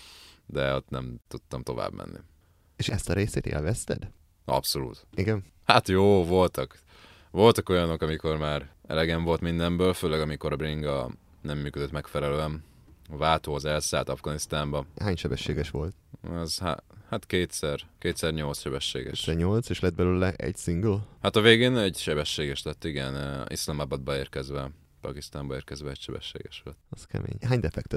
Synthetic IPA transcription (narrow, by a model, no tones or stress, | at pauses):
d̪ɛot̪nɛ̰mt̪ut̪ːɒmt̪o̞̰va̰ːbmɛ̰nːʔḭ | eʃɛst̪ɒɾeːseːt̪ḛːlvɛst̪ɛ̰d̪ | ɒ̰pso̞lṵːt̪iɡɛn | hat̪joːvo̞lt̪ɒk | vo̞lt̪ɒko̞jɒno̞kɒmiko̞rmaːɾɛ̰lɛɡɛɱvo̞lt̪mind̪ɛmbøːlføːlɛɡɒmiko̞ɾɒbriŋɡɒ | nɛmːyːkød̪øt̪mɛkfɛlɛløːɛn | ɒvaːt̪oːɒzɛlsaːlt̪ɒvɡɒnist̪aːmbɒhaːɲʃɛbɛʃːeːɡɛʃʋo̞lt̪ɒzha̰hat̪keːt̪sɛrkeːt̪sɛrɲo̞lt̪sʃɛbɛʃːḛːɡɛ̰ʃɛɲo̞lt̪seːʃlɛd̪̚bɛløːlɛʔɛ̰ɟsiŋɡlhat̪ɒveːɡeːnɛɟʃɛbɛʃːeːɡɛʃlɛt̪ːiɡɛnḭslɒmabɒd̪̚bɒeːrkɛzʋɛ | pɒkist̪aːmbɒeːrkɛzʋɛɛɟʃɛbɛ̰ʃːḛːɡɛʃlɛt̪ːɒskɛ̰mḛːɲɦaːɲd̪ɛfɛk̚t̪ɛt̪